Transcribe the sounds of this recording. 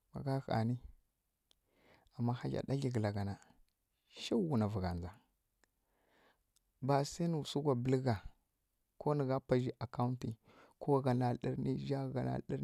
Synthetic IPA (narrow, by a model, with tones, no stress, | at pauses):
ma̰˨ɡa˦ɣa̰˨ni˦ | a˨mːa˦ha˦d͡ʒa̰˨ɗa˦ɮi˨ɡə˨la˨ɡa˨na˨ | ʃa˦wu˨na˨vu˨ɡa̰˨nd͡za˨ | ba˨sa˦ni˨su˦ɡʷa˨bə˨˦lɡa˨ | ko˦ni˨ɡa˦pa˨d͡ʒi˦ʔa˨ka˦u˦nti˨ | ko˦ɡa˨na˨ɗḭ˦ɾni˦ʒa˦˨ɡa˨na̰˨lɗi˦ɾ